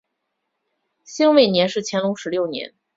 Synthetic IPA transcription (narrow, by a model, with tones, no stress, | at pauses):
ɕi˥ŋwe˥˩ɪnjɛ˧˥nʂɻ̩˥˩t͡ɕʰjɛ˧˥nlʊ˧˥ŋʂɻ̩˧˥ljo˥˩ʊnjɛ̰˧˥n